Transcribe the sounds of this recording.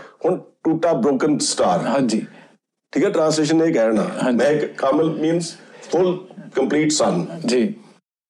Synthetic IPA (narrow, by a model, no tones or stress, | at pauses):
hʊnʈuːʈabɾoːkə̃nsʈaːɾɦãi | ʈʰiːkɛʈɾãːns̬leːʃ̬ə̃nekɛɾnã̰ːmɛ̃kkaːməlmĩːnsfʊlkəmpliːʈsãnd͡ʒi